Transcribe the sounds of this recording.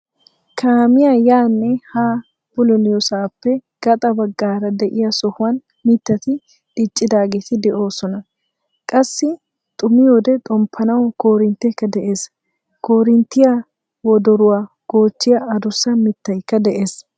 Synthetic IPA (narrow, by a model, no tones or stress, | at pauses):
kʰaːmɪjajaːnːɛhaː | b̥ʊlɔnɪjɔsaːpːɛɡ̥ɐt̪ʼɐbɐɡːaːɾɐd̪ɛʔɪjɐsɔhʊwɐn | mɪt̪ːɐt̪ɪ | ᶑɪt͡ʃʼːɪd̪aːɡɛt̪ɪd̪ɛʔo̞ːsɔnɐ | kʼɐsːɪ | t̪ʼʊmɪjod̪ɛt̪ʼɔmpʰːɐnɐwkoːɾɪnt̪ːɛkːɐd̪ɛʔe̞ːs | koːɾɪnt̪ːɪja | wɔd̪ɔɾʊwaː | ɡ̥o̞ːt͡ʃːɪjɐɐd̪ʊsːɐmɪt̪ːɐjkːɐd̪ɛʔe̞ːs